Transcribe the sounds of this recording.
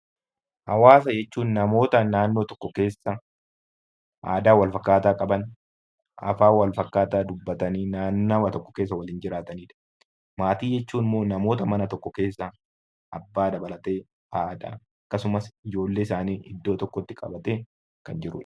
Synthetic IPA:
hɐ̰waːsɐjɛt͡ʃːuːnːɐmo̞ːt̪ɐnaːnːo̞ːt̪ɔ̥kːɔke̞ːsːɐ | ʔa̰ːd̪aːwɐlfɐkːaːt̪aːkʼɐbɐn | ʔɐ̰faːwɐlfɐkːaːt̪aːd̪ʊbːɐt̪ɐniːnaːnːaːwɐt̪ɔkːɔ̥keːs̬ːɐwɐliːnd͡ʒɪɾaːt̪ɐniːᶑɐ̥ | maːt̪iːd͡ʒɛt͡ʃːuːnɪmoːnɐmo̞ːt̪ɐmɐnɐt̪ɔkːɔke̞ːsːɐ | ʔɐbːaːd̪ɐbɐlɐt̪e̞ː | haːʔda̰ | ɐkːɐsʊmɐsɪd͡ʒo̞ːlːeːɪsaːniːɪd̪ːo̞ːt̪ɔkːɔt̪ːɪkʼɐ̰bɐt̪eː | kɐnd͡ʒɪɾʊ̰ᶑ

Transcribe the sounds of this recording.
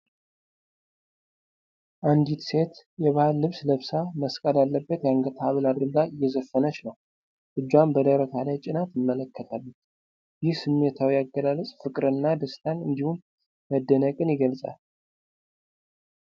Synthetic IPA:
ʔand̪it̪se̞t̪ | jɛβahalːɨβsləβsaməskʼəlalːəbːət̪jaŋɡət̪ʰaβəlad̪ɾɨd̪aɨjːɛzəfːənət͡ʃnəw | ʔɨd͡ʒːwambəd̪əɾək̪ʰalajt͡ʃʼɪnat̪jɪmːələkːət̪ʰalːut | jɪhsɨmːe̞t̪ʰawijaɡːəlalət͡sʼfɨkʼɨɾɨnːad̪əst̪ʰanɨnd̪ihum | məd̪ːənəkʼɨnjɪɡəlsʼa̰l

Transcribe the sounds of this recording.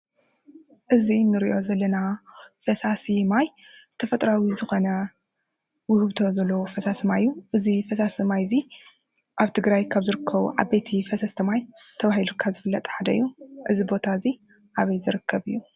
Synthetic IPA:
ʔɨzinɨɾiʔo̞zɐlːɐnafɐsasimaj | t̪ʰɐfɐt̪ʼɾawizɨxo̞nɐ | wʊhɨβt̪ʰozɐlːofɐsasimajjːuʔɨzifɐsasmajzi | ʔaβt̪ʰɨɡɾajkʰaβzɨɾɨkʰːɐβṵʕabejt̪ʰifɐsɐst̪ʰɐmajt̪ʰɐβahilukʰazɨfɨlːɐt̪ʼħad̪ɐɨ̰jːuʔɨzibo̞t̪ʰaɨzi | ʔaβɐjzɨɾɨkʰːɐβɨjːu

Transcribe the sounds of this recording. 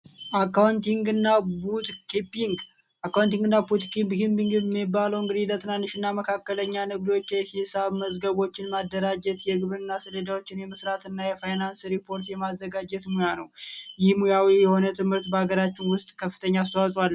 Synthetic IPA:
ʔakːawnt̪iŋɡɨnːabut̪kipiŋɡ | ʔakːawnt̪iŋɡɨnːabut̪kimbkimpiŋɡmːibaləwɨŋɡɨd̪ilət̪ʰɨnanːɨʃɨnːaməkʰakːələɲːanɨɡd̪o̞t͡ʃːjɛhisaβməzɡəβo̞t͡ʃːɪnmad̪ːəɾad͡ʒɛt̪jɛɡɨβɨnːasəd̪əd̪awot͡ʃːɪnjɛmɨsɾat̪ɨnːajɛfajnansɾipʰo̞ɾt̪jɛmazːəɡad͡ʒɛt̪mujanəwjɪhmujawijɛho̞nət̪ʰɨmhɨɾt̪bəaɡəɾat͡ʃːɪnwʊst̪ʼkʰəfːɨt̪ʰəɲːaːst̪əwasʼwalː

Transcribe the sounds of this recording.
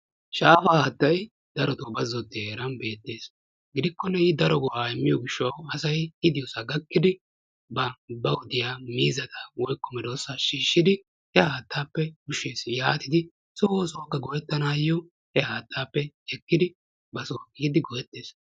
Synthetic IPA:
ʃaːfaːhɐːt̪ːɐj | d̪̥ɐɾɔt̪oːbɐzɔt̪ːɪeːɾɐnbe̞ːt̪ːe̞ːs | ɡɪd̪ɪkːɔnːɛɪd̪ɐɾɔɡɔwaːɛmːɪjɔɡɪʃːɐwɐsɐjɪd̪ɪjɔsɐɡɐkːɪd̪ɪ | bɐbɐwʊd̪ɪjaːmiːzɐt̪ʰɐwɔjkːɔmɛd̪oːsaʃiːʃːɪd̪ɪ | hɛhaːt̪ːaːpːɛɡʊʃːe̞ːsjaːt̪ɪd̪ɪ | sowosoːkːɐɡɔjɛt̪ːɐnaːjːɔ | hɛhaːt̪ːaːpːɛɛkːɪd̪ɪ | bɐsoːkːɪɡɪd̪ɪɡɔjɛt̪ːeːs

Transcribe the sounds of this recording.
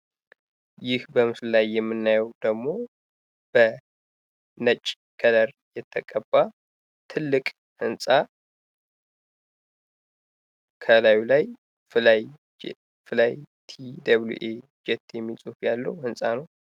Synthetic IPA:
jɪhbəmɨsllajːɛmːɨnːajɛwd̪əɡmo̞ | b̥ə | nət͡ʃʼː | kʰələɾ | jɛt̪ʰːəkʼəbːa | t̪ʰɨlːɨkʼ | hɨnsʼa | kʰəlajulaj | flaj | fɨlajt̪ʰid̪əβlṵʔe | d͡ʒɛt̪ːjɛmːisʼufjalːəwhɨnsʼanəw

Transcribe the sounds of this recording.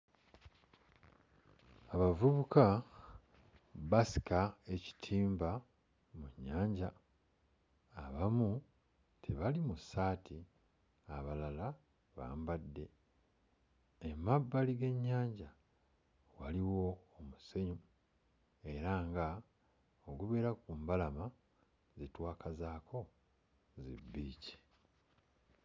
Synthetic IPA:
aβavuβukʰa | βasi̥kae̞ci̥tʰiːmba | muɲːaːɲɟa | βamu | tʰeβalimusːaːtʰi | aβalala | βa̰ːmbadːe̞ | emabːaliɡe̞ɲːaːɲɟa | waliwo̞ːmuse̞ɲu | e̞ɾaːŋɡa | oɡuβeɾakumbalama | zitwaːkazaːkʰo̞ | zḭbːiːci̥

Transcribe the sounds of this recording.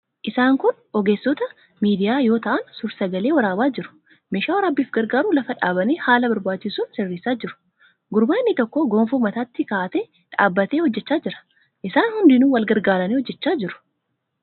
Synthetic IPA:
ʔɪsaːŋkʊn | ʔɔɡe̞ːsːɔt̪ɐ | miːd̪ɪjaːjo̞ːt̪ɐʔɐnsʊɾsɐɡɐle̞ːwɐɾaːbaːd͡ʒɪɾʊ̥ | meːʃaːwɐɾaːbːiːfɡɐɾɡaːɾuːlɐfɐᶑaːbɐneːhaːlɐbɐɾbaːt͡ʃːɪsuːnsɪrːiːsaːd͡ʒɪɾʊ̥ | ɡʊɾbaːnːɪt̪ɔkːoɡoːmfuːmɐt̪aːt̪ːɪkaːt̪eː | ᶑa̰ːbːɐt̪eːhɔd͡ʒːɛt͡ʃːaːd͡ʒɪɾɐ̥ | ʔɪsaːnhʊnd̪ɪnuːwɐlɡɐɾɡaːɾɐneːhɔd͡ʒːɛt͡ʃːaːd͡ʒɪɾʊ̥

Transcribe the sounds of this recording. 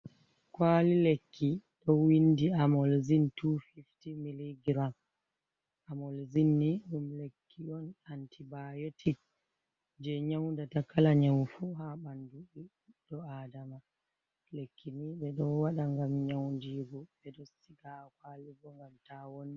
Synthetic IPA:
kwalilekːiɗɔwindiamɔlzintufiftimiliɡɾam | amɔlzinːiɗumlekʰːiɔnantʰibajotʰik | d͡ʒɛɲawndatakalaɲɛwfuɦaɓanduɗi | ɗɔadama | lekʰːiniɓɛɗɔwaɗaŋɡamɲawndiːɡɔɓɛɗɔsiɡakwaːliɡɔŋɡamtawonːi

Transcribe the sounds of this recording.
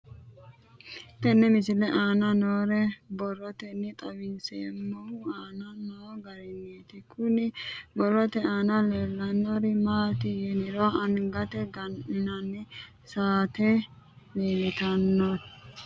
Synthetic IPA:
ɪt̪ːɛnːɛmɪsɪlɛʔaːnɐnoːɾɛbɔrːɔt̪ɛnːɪt̪ʼɐwɪnseːmːɔaːnɐnoːɡɐɾɛnːeːt̪ɪkʰʊnɪbɔrːɔt̪ɛaːnɐleːlːɐnːoɾɪmaːt̪ɪjɛnɪɾoːɐnɡɐt̪ɛɡɐnnɐnːɪ | saːt̪ɛ | leːlɪt̪ɐnːot

